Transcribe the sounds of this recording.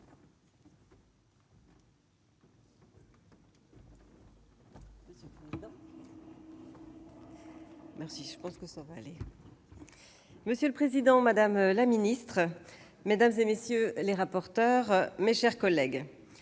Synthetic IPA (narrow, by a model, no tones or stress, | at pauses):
məsjøləpχezid̪ɑ̃ | mɛʁsiʒəpɑ̃skəsavaːle | məsjøləpχezid̪ɑ̃mad̪amlaminist̪χə | med̪amzemesjøleʁapɔʁt̪œʁmeʃɛʁkɔlɛɡ